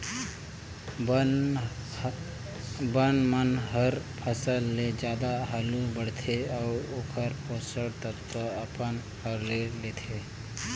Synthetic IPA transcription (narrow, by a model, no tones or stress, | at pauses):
bənmənɦəɾpʰəsəlːed͡ʒjaːd̪aɦaːlubəɽt̪ʰeɔːɾoːkʰəɾpʰoːsəɽt̪ət̪ɾəɐpən | həɾleleːt̪ʰeː